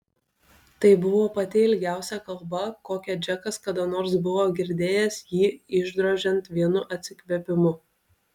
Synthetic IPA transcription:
t̪ɐɪbʊʋoːpɐt̪ʲɪɪlʲɡʲæˑʊsʲɛkɐlˠˑbɐkoːkʲɛd͡ʒʲɛkɐskɐd̪onoːɾsbʊʋoːɡʲɪɾʲd̪ʲeːjɛsjiːɪʒd̪ɾoːʒʲɛnt̪ʋʲiɛnʊʔɐt̪ʲsʲɪkʲʋʲɛpʲɪmʊ

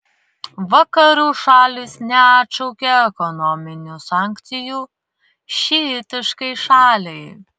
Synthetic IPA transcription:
ʋɐkɐɾʲuːʃɑːlʲɪsnʲɛɐt̪ʃɐʊkʲɛɛkɔnɔmʲɪnʲuːsɑːŋʲkt̪sʲɪjuː | ʃʲit̪ʲɪʃkɐɪʃɑːlʲɛɪ

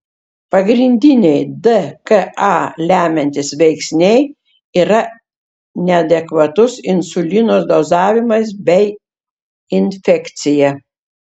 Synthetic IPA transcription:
pɐɡɾʲɪnʲd̪ʲɪnʲɛɪd̪ɨkɐʔɑːlʲæːmʲɛnʲt̪ʲɪsʋʲɛɪksʲnʲɛɪ | iːɾɐ | nʲɛɐd̪ʲɛkʋɐt̪ʊsɪnsʊlʲɪnoːsd̪oːzɑːʋʲɪmɐs̬bʲɛɪ | ɪnʲfʲɛkt̪sʲɪjɛ

